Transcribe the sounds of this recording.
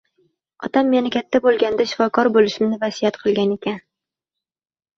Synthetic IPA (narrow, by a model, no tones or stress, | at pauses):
ɒ̰t̪ʰamːe̞nɪkʲʰat̪ʰːabolˠɡʲand̪aʃɪ̥fɒkʰɒɾbolɪʃɪmnɪvasijat̪qʰɨlˠɡʲane̞kʲʰan